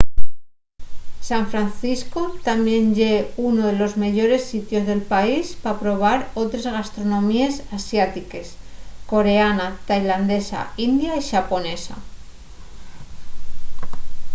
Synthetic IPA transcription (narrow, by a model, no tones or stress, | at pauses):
saɱfɾanθiskot̪amje̞nʝeunoðe̞lo̞zme̞ʝo̞ɾe̞sːit̪jo̞zðe̞lpaispapɾo̞β̞aɾo̞t̪ɾezɣast̪ɾo̞nõ̞mie̞sasjat̪ike̞s | ko̞ɾe̞anat̪ajland̪e̞sa̰ind̪jaiʃapo̞ne̞sa̰